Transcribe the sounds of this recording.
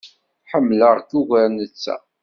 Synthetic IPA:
ħəmːləʁkuɣæɾnət͡sːæ̰

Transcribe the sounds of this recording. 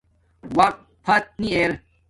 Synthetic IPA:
wɐk̪̚ | pʰɐt̪̚nieɾ

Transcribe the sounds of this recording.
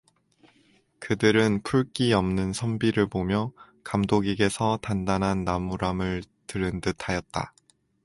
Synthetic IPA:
kɯdɯɾɯnpʰuɭk͈iʌmnɯnsʰʌmbiɾɯɭbomjʌ | kamdoɡiɡe̞sʰʌtandanɦanːamuɾamɯɭ | tɯɾɯndɯtʰajʌt̚t͈a̰

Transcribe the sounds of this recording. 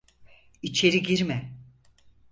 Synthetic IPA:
it͡ʃʰe̞ɾiɡiɾmɛ

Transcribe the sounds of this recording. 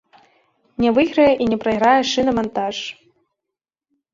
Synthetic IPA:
nʲɛvɨɣɾɐjɛʔinʲɛpɾɐjɣɾajɛʂɨnɐmant̪aʂ

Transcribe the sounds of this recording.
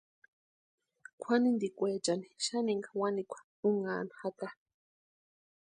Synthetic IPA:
kʷʰanind̪ikʷeːt͡ʃaniʃaniŋɡawanikʷʰḁ | uŋaːnḁhat̪a

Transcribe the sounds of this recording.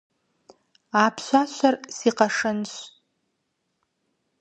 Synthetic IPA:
apʰʃʷaʃʷʰarsiqaʂɨnʃʷ

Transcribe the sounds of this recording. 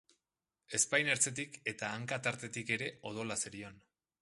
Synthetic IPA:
e̞spajne̞ɾt͡se̞t̪̬ike̞t̪aːŋkat̪aɾt̪e̞t̪ike̞ɾe̞o̞ð̞o̞laseɾion

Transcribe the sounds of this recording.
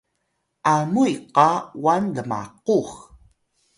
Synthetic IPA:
ʔamujqɑwanləma̰qux

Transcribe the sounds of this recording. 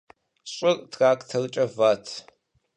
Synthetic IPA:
ɕʼɪrʼtʰraːkʼtʰɐrt͡ʃʼɐvaːtʰ

